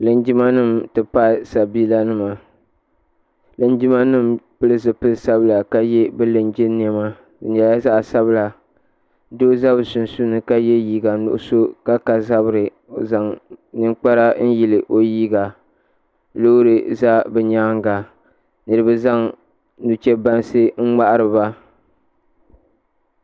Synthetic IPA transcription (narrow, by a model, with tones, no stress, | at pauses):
lɨ˨nd͡ʒi˦ma˦nɨ˦m˨tɨ˨pa˦˨sa˨biː˦la˦nɨ˦ma˨ | lɨ˨nd͡ʒi˦ma˦nɨ˦mpɨ˦lɨ˦zɨ˨pɨ˦lsa˦bɨ˦la˨ka˦jɛ˦bɛ˦lɨ˨nd͡ʒɪ˦nː˦ɛ˦ma˦ | ɨ˨ɲa˨ja˦za˦ʔsa˦bla˨ | doː˦za˦bsʊ˨n˨su˦nɨ˨ka˦jɛ˦jiː˦ɡa˨nʊ̰˨ʔso˦ka˦ka˨za˦bɾɨ˨ | o˨za˨ŋnɨ˦ŋk͡pa˦ɾa˦n̩˦ji˨lɨ˨ʔo˨jiː˦ɡa˨ | lo˦ɾɨ˨za˦bɛ˨ɲaː˦ŋ˦ɡa˨ | nɨ˨ɾɨ˨bɨ˦za˦ŋ | nu˨t͡ʃɛ˦ba˦nsɨ˦ŋ̩˦ŋ͡ma˦ʔa˦ɾɨ˨ba˦